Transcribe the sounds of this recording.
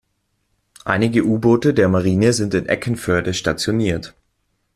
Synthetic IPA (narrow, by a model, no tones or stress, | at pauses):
ʔa̰ɪnɪɡəʔuːboːtədeːɐmaʁ̞iːnəzɪntɪnʔɛ̰kn̩fœɐdəʃtat͡sjoniːɐt